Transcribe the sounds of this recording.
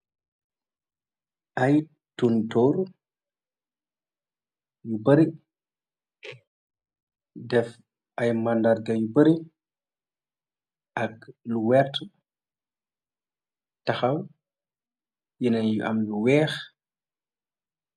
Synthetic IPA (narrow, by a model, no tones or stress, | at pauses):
ʔɐj | tuntɔːr | jubəɾi | dɛf | ʔɐjmandarɡɐjubəɾi | ʔɐkluwɛrt | tɐxɐw | jinɐnjuʔɐ̰mluwɛːx